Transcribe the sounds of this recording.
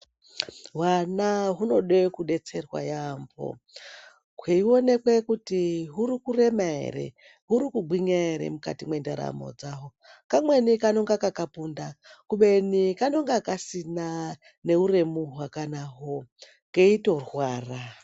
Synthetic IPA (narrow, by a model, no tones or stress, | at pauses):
wanaɦuno̞ɗwekuɗe̞t͡se̞rwa̰jambo̰ | kweio̞ne̞kwe̞kutiɦuɾikure̞maḛre̞̰ | ɦuɾikuɡ͡bwiɲaeɾḛmuka̰timwendeɾa̰mo̞̰d͡zaɦo | kamwe̞nikanoŋɡakakapundakuɓe̞nikano̞ŋɡakasina | ne̞ure̞muɦwakanaɦo | ŋɡeito̞rwaːra